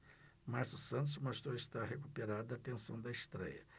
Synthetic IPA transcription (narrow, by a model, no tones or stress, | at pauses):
maɾsʊsɐ̃nt̪̬ʊsmost̪ɾoist̪aɾɦekupeɾad̪ʊɐt̪ẽsɐ̃w̃d̪ɐist̪ɾɛ̰jɐ̰